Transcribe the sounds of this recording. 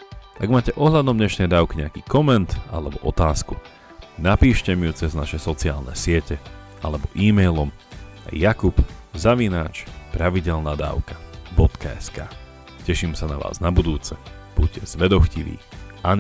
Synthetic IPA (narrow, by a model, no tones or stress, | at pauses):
ʔaɡmaːcɛʔɔɦʎad̪ɔmdɲɛʃnɛjd̪aːʊkiɲɛakiːkɔmɛnt̪a̰lɛbɔʔɔt̪aːsku | napiːʃcɛmiut͡sɛznaʃɛsɔt͡siaːlnɛ̰sɪɛcɛ | ʔalɛbɔʔiːmɛjlɔm | a̰jakupzaʋinaːt͡ʃpɾaʋiɟɛlnaːd̪a̰ːʊkḁbɔt̪kaɛska̰ː | cɛʃimsanaʋa̰ːznabud̪uːt͡sɛ | b̥uc̚cɛz̥ʋɛd̪ɔxciʋḭːʔaɲ